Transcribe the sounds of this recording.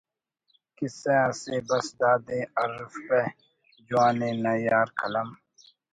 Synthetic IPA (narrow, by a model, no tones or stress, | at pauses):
kisẽãːseːbɐsd̪aːd̪ẽːɐɾfpe | d͡ʒuaːneːnɐjaːɾkʰɐlɐm